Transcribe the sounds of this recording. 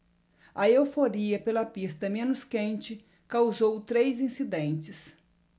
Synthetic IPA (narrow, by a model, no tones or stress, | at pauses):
ɐewfoɾiɐpelɐpist̪ɐmẽnʊskẽnt͡ʃɪ | kawzowt̪ɾejzĩsid̪ẽnt͡ʃɪs